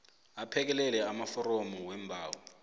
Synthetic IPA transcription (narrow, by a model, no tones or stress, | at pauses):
apʰɛk̬ɛlɛlɛamafɔɾɔmɔwɛmbʱaːwɔ